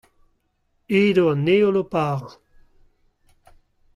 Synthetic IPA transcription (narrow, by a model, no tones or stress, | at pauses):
eːdoaneolopaːʁ